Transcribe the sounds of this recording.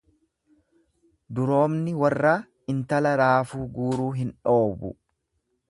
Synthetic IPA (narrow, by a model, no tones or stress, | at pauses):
d̪ʊɾo̞ːbnɪwɐrːaː | ɪnt̪ɐlɐɾaːfuːɡuːɾuːɦɪnᶑo̞ːbʊ̰